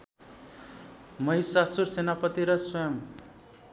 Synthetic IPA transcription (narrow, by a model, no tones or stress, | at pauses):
mʌɦisasuɾsenapʌt̪iɾʌswʌjʌm